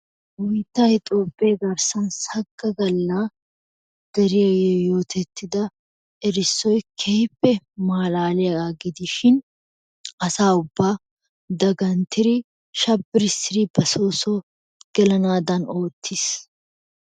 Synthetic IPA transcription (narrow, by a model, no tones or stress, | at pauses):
wʊjt̪ːɐhɪt̪ʼoːbːeːɡɐɾsɐnshɐɡːɐɡɐlːaː | ɡ̥ɐɾɪjɐjɛjo̞ːt̪ʰɛt̪ːɪd̪ɐ | ɛɾɪsːɔjkʰɛhɪpːɛmaːlaːlɛɐaɡɪd̪ɪʃɪn | ɐsaːʊbːaː | d̪ɐɡɐnt̪ːɪɾɪ | ʃɐbːɪɾɪsɪɾɪbɐsoːso | ɡ̥ɛlɐnaːd̪ɐno̞ːt̪ʰːɪs